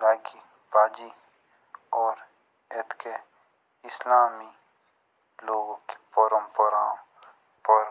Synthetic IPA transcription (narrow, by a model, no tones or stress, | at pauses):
laːki | baːd͡ʒi | ɔːɾ | et̪ke | ɪslaːmi | loːɡõke̥pɔːɾəmpəɾãː | pɔɾ